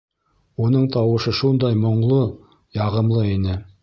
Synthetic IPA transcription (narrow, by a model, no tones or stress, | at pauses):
unɤɴt̪ɑwɤ̆ʃɤʃund̪ɑjmŏɴlˠɤ | jɑʁɤ̆mlˠɤinɘ